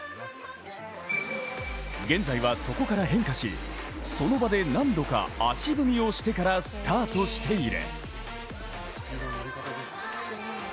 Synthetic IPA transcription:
ɡẽ̞nd͡zaiβaso̞ko̞kaɾaɦẽ̞ŋkaɕḭ | so̞no̞bad̪e̞nãnd̪o̞ka̰aɕibɯ̟mʲio̞ɕi̥t̪e̞kaɾasɨ̥t̪ʰaːt̪o̞ɕi̥t̪ʰe̞iɾḛ

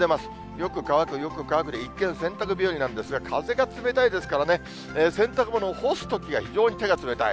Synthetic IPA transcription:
e̞masɨ̥ | jo̞kɯ̟kaβakɯ̟jo̞kɯ̟kaβakɯd̪eikːẽɰ̃sẽ̞nt̪ak̬ɯ̟bʲoɾʲinãnd̪e̞sɨɡakʰaze̞ɡat͡sɨme̞t̪aid̪e̞sɨ̥kaɾane̞ | eːsẽ̞nt̪akɯ̟monohosɨ̥t̪o̞kʲiɡaçiʑo̞ːɲ̟it̪e̞ɡat͡sɨme̞t̪a̰i

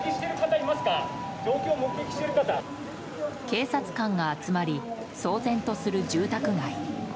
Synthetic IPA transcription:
kʲiɕi̥t̪e̞ɾɯ̟kat̪aimasɨ̥ka | d͡ʑo̞ːkʲo̞ːmo̞kɯ̟ɡ̪ekʲi̥ɕit̪eɾɯ̟kat̪a | ke̞ːsat͡sɨ̥kãŋɡaːt͡sɨmaɾʲi | so̞ːzẽ̞nt̪o̞sɨɾɯ̟d͡ʑɨːt̪akɯ̟ɡai

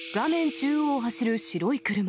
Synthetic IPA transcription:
ɡ̥amẽ̞ɲt͡ɕɨːoːɦaɕiɾɯ̟ɕiɾo̞ikɯ̟ɾɯ̟ma

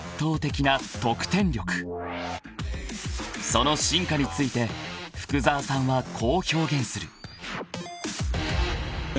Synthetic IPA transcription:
t̪ːo̞ːt̪e̞kʲinat̪o̞kɯ̥t̪ẽ̞ɲɾʲo̞kɯ̟̥ | so̞no̞ɕĩŋkaɲ̟it͡sɨit̪e̞ɸɯ̟̥kɯ̟zaːsãɰ̃βakʰo̞ːço̞ːɡẽ̞ɰ̃sɨɾɯ̟

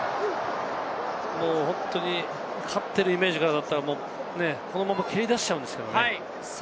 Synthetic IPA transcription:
mo̞ːhõ̞nt̪o̞ɲ̟i | kʰat̪ːe̞ɾɯ̟ime̞ːʑikaɾad̪at̪ːaɾamoː | ne̞kʰo̞no̞mamakʰʲeɾʲid̪aɕi̥t͡ɕaɯ̟̃nd̪esɨ̥ke̞d̪o̰nei

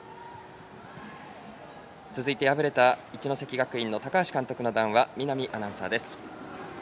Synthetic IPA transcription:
t͡sɨzɨit̪e̞jabɯ̟ɾe̞t̪ait͡ɕino̞se̞kʲiɡakɯ̟ĩnːo̞t̪akaːɕi̥kãnt̪o̞kɯ̟no̞d̪ãɰ̃βamʲinamʲiʔanãɰ̃sa̰ːd̪e̞sɨ̥

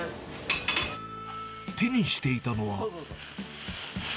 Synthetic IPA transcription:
t̪ʰe̞ɲ̟iɕi̥t̪e̞it̪ano̞βa

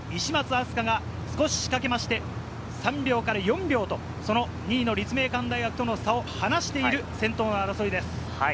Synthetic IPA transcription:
iɕimat͡sɨasɨ̥kaɡa | sɨ̥ko̞ɕi̥ɕi̥kake̞maɕi̥t̪e̞ | sãmbʲo̞ːkaɾajõ̞mbʲo̞ːt̪o̞ | so̞no̞ | ɲ̟iːno̞ɾʲit͡sɨme̞ːkãnd̪aiɡakɯ̟̥t̪o̞nosao̞hanaɕi̥t̪e̞iɾɯ̟sẽ̞nt̪o̞ːnoaɾaso̞ɾʲid̪e̞sɨ̥

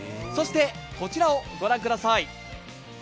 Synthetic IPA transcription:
so̞ɕi̥t̪e̞ko̞t͡ɕiɾao̞ɡo̞ɾãŋkɯ̟d̪asai

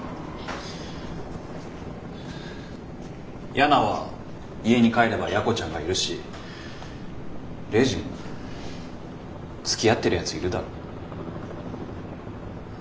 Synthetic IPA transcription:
jʔanaβa̰ | ie̞ɲ̟ikae̞ɾe̞bajako̞t͡ɕãŋɡaiɾɯ̟ɕi | ɾe̞ʑĩŋ | t͡sɨ̥kʲijat̪ːe̞ɾɯ̟jat͡sɨiɾɯ̟d̪aɾo

